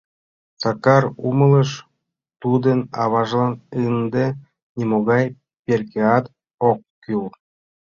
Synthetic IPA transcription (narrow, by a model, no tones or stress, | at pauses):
t͡sɑkɑrumɤ̆lˠɤ̆ʃ | t̪ud̪ə̆nɑβɑʒlˠɑnɯnd̪ĕ | nʲemoɣɑj | pʲerkʲeɑt̪ | okːʲyl